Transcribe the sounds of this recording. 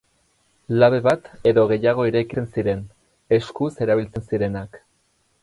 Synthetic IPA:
laβ̞e̞βat̪e̞ðo̞ɣ̞e̞jaɣ̞o̞iɾeːkiensiɾe̞n | e̞skuse̞ɾaβilt͡se̞nsiɾe̞nak

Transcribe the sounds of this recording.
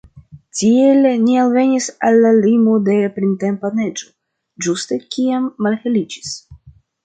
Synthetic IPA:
tielnialve̞nisalːalimode̞pɾintempane̞d͡ʒo̞ | d͡ʒuste̞kiamːalhelid͡ʒi̥s

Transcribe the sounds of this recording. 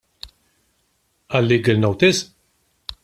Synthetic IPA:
ɐlːiːɡəlnowt̪ɪs

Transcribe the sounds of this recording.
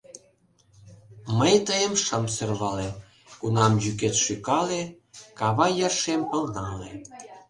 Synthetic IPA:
məjt̪əjəmʃəmserβɑle | kunɑmjyket̪ʃykɑle | kɑβɑjərʃempə̆lnɑlḛ

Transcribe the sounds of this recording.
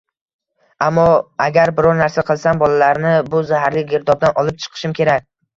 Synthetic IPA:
amːɒaɡʲaɾbɪɾɒɾnaɾsaqʰɨlˠsambɒlalaɾnɪbʊzahaɾlɪɡʲeɾd̪ɒbd̪anʔɒlˠɪp̚t͡ʃʰɨ̥qʰɨ̥ʃɪmkʲʰe̞ɾakʲ

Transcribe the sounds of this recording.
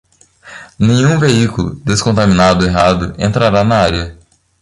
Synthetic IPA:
nẽɲ̃ũveikulʊ̰d̪eskõnt̪amĩnad̪ʊeɦad̪ʊʔẽnt̪ɾaɾanɐaɾjɐ

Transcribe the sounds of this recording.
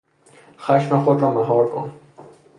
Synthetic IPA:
xaʃmaxod̪ɾɔːmaɦɔːɾkʊ̰n

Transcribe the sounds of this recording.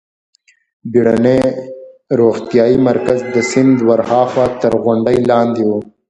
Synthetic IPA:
biɽane | ɾoːxt̪ijɑːimɐɾkazd̪əsɪnd̪wɐɾhɑːxwaːt̪əɾɣʊɳɖəjlɑːnd̪iwo

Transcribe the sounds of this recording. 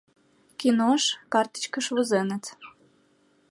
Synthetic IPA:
kʲinoʃkɑrt̪ə̥t͡ɕkəʃvuzenə̆t͡s

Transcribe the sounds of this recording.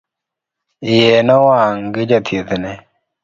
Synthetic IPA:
ɪjɛnɔwaŋɡɪd͡ʒat̪ʰjet̪nɛ

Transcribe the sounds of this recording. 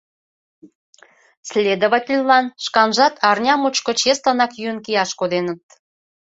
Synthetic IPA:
slʲed̪ə̆βɑtʲilʲlɑnʃkɑnʒɑt̪ɑrnʲɑmut͡ɕkə̆t͡ɕest̪ɑnɑkjyənkiɑʃkod̪enə̆t̪̚

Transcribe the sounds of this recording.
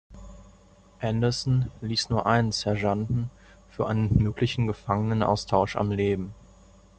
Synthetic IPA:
ʔɛndɐsn̩liːsnuːɐʔaɪnnsɛɐʒandn̩ | fyːɐʔaɪnənmøːklɪçn̩ɡəfaŋənənʔa̰ʊstʰaʊʃa̰mleːbm̩

